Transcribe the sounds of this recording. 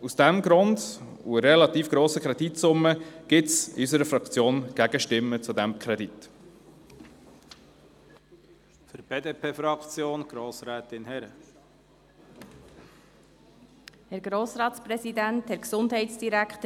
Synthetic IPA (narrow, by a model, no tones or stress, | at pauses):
usd̥æmɡɾʊnd | ṵəɾɛlɑt̪iːfɡ̥ɾoːsəkɾɛd̪itsʊmːəɡ̥ɪtsɪ̰ysəɾəfɾɑkt͡sjoːnɡ̥æɡ̥əʃtɪmːət͡sud̪ɛmkʰɾɛd̪it̪ | fʏɾb̥eːdeːpʰeːfɾɑkt͡sjoːnɡ̥ɾoːsɾɛːt̪ɪnhɛɾə | hɛɾɡɾoːsɾɑːtspɾɛsidænt̪hɛɾksʊndhɛɪtsd̥iɾækχtə